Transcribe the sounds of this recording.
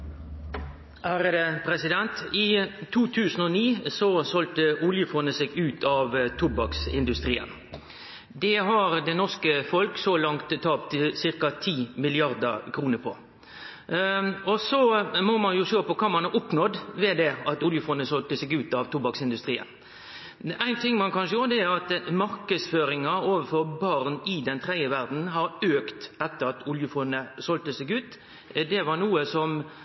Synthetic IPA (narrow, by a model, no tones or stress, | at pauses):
hæːɾəd̪ɛpʰɾɛsɪd̪ɛnt̪ɪt̪ʰuːt̪ʰʉːsən̩ɔniːsɔsɔlt̪əʊljəfɔnəsɛɡʉːt̪ʰɑʋt̪ʰʊbɑksɪ̰nd̪ʉst̪ɾiːə̰n | d̪ɛɦɑɾd̪ɛnɔskəfɔlksɔlɑŋt̪ʰːɑːpt̪sɪʁkɑt̪ʰiːmɪlɪɑʁd̪ə̰kʰɾuːnəɾpʰɔ | ɔsɔmɔmɑnjʊʃøːpɔkʰɑmɑnʔʊpnɔd̪ʋɛd̪ɛɑt̪ʊljəfɔnːəsɔlt̪əsɛɡʉːt̪ɑʋt̪ʊbɑksɪnd̪ʉst̪ɾiːə̰n | æɪnt̪ʰɪŋːmɑnkʰɑnʃəjuːɾd̪ɛæʁɑt̪mɑɾkəsføːɾɪŋɑoːʋəfɔɾbɑʁnɪd̪ɛnt̪ʰɾɛɪəʋæɾd̪n̩ɦɑɾøːkt̪ɛt̪ːəɾɑt̪ʊljəfɔnːəsɔlt̪əsɛɡʉːt̪ | d̪ɛʋɑɾnuːəsɔm